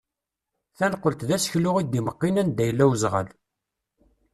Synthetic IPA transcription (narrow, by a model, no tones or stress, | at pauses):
θænəqːəlt̪ðæsə̥çlʊʁid̪iməqːinænd̪æjəlːæwzʁə̰l